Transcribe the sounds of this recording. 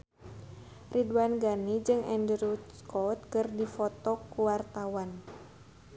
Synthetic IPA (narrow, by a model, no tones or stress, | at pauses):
rʔiduanɡanid͡ʒɨŋʔɛndɾuskɔt̪̚kɨrdifɔt̪ɔkuwart̪awan